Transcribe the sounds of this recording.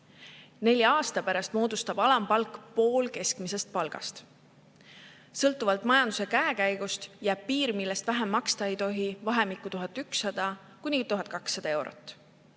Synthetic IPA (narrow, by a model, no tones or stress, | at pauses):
ne̞lʲjɑɑːst̪ɑpæɾɑst̪mo̞ːd̪ust̪ɑb̥ɑlɑmpɑlkːˑpo̞ːlke̞skmise̞st̪̚pɑlɡ̥ɑ̰st̪ | sɤlt̪ːˑuvɑlt̪mɑjɑnd̪̥use̞kæekæjɡ̥ust̪jæːb̥̚piːɾmilːest̪væɦemːɑkst̪ɑe̞jt̪o̞ɦivɑɦe̞mikːˑut̪uɦɑt̪ːˑyksːɑd̪̥ɑ | kunʲit̪uɦɑt̪̚ˑkɑksːɑd̪̥ɑe̞wɾo̞̰t̪ːˑ